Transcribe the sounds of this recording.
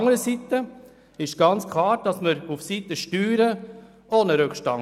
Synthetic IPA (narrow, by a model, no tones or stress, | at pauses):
ŋəɾəsit̪ə | ɪʃɡ̥ɑnt͡skʰlɑːɾd̥ɑsməɾufsit̪əʃtyːɾə | ʔoːnəɾʉkʃtɑŋ